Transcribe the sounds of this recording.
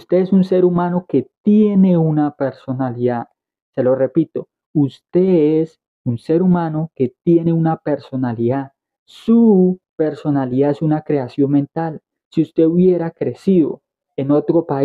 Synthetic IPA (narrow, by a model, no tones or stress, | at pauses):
ust̪e̞esunse̞ɾumano̞ke̞t̪je̞ne̞unape̞ɾso̞naliða | se̞lo̞re̞pit̪o̞ | ust̪e̞es | unse̞ɾumano̞ke̞t̪jene̞unape̞ɾso̞naliða | supe̞ɾso̞naliðaesunakɾe̞asjo̞nmẽnt̪al | siust̪e̞uβjeɾakɾe̞siðo̞̰ | eno̞t̪ɾo̞pa